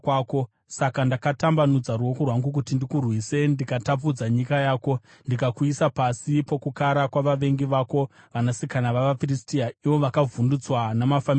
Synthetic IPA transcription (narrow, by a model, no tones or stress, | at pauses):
kwako̞ | sakandakatambanud͡zaruwo̞kurwaŋɡuk̬utindikurwise̞ndikatap̬ud͡zaɲikajaːko̞ | ndikakuisapasipo̞kukaɾakwaʋaʋe̞ŋɡiʋaːko̞ | ʋanasikanaʋaʋafiristiaiʋo̞ʋakavundut͡swanamafam